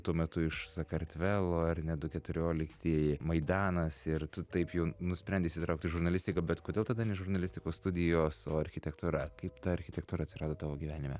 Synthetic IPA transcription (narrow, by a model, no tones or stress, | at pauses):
t̪uɔmʲɛt̪ʊɪʃsɐkɐɾʲt̪ʲʋʲæːlˠoːɐɾnʲɛd̪ʊkʲɛt̪ʊɾʲoːlʲɪkt̪ʲimɐɪd̪ɑːnɐsɪrt̪ʊt̪ɐɪpjɛʊnʊsʲpʲɾʲɛnʲdʲeɪsʲɪt̪ɾɐʊkt̪ʲɪʒʊɾnɐlʲɪsʲt̪ʲɪkɐbʲɛt̪koːd̪ʲeːlˠt̪ɐd̪ɐnʲɛʒʊrnɐlʲɪsʲt̪ʲɪkoːsst̪ʊd̪ʲɪjoːsoːɐɾʲxʲɪt̪ʲɛkt̪ʊɾɐkɐɪpt̪ɐɐɾʲxʲɪtʲɛk̚t̪uːɾɐt̪ʲsʲɪɾɑːd̪oːt̪ɑːʋoːɡʲiːʋʲæːnʲɪmʲɛ